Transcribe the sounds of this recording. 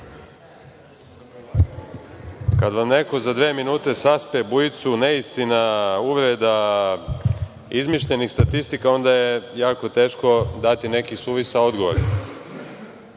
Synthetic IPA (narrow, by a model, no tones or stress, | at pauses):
kad̪ʋamne̞ko̞zad̪ʋeːminuːt̪e̞saspebujit̪suneist̪inauʋɾed̪a | izmiʃʎe̞nixst̪at̪ist̪ikao̞nd̪ajejaːko̞t̪e̞ːʃko̞d̪at̪ine̞kisuːʋisao̞d̪ɡo̞ʋo̰ɾe